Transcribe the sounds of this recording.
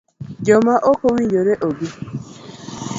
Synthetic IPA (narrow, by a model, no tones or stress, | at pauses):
d͡ʒɔmaʔokowiɲd͡ʒoɾeʔoɡi